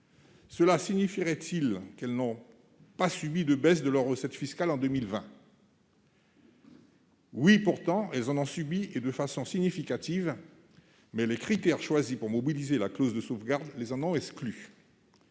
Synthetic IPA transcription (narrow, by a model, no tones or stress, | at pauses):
səlasiɲifiʁɛt̪ilkɛlnɔ̃ | pasybid̪əbɛs̬d̪əlœʁːəsɛt̪fiskalɑ̃d̪əmilvɛ̃ | wipuʁt̪ɑ̃ɛlzɑ̃nɔ̃sybied̪əfasɔ̃siɲifikat̪iv | mɛlɛkχit̪ɛʁʃwazipuʁmɔbilizelaklozd̪əsovɡaʁd̪lezɑ̃nɔ̃ɛkskly